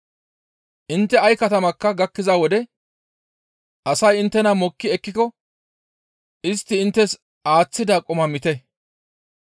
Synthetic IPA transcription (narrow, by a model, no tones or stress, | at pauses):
ʔɪnt̪ːɛɐjkɐt̪ɐmɐkːɐɡɐkːɪzawɔd̪ɛ | ʔɐsɐjɪnt̪ːɛnɐmɔkːɪɛkːɪkɔ | ɪst̪ːɪɪnt̪ːɛs | aːt͡sːɪd̪akʼɔmɐmɪt̪ɛ